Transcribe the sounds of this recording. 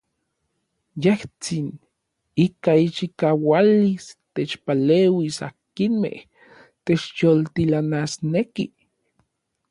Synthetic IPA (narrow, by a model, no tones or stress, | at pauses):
jeht͡sin | ikait͡ʃikawalist̪et͡ʃpaleːwisa̰kinmḛh | t̪et͡ʃjolt̪ilanasneki